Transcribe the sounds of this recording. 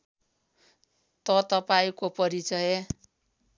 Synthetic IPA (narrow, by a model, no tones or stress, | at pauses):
t̪ʌt̪ʌpaĩkopʌɾit͡sʌje